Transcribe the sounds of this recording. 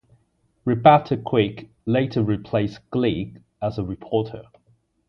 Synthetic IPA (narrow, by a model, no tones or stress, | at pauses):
ɹɪbɛtʰəkʰw̥ɪˑk | leɪtʰəɹɪpʰl̥eɪsɡ̥liˑk | əzəɹɪpʰɔˑtʰə̰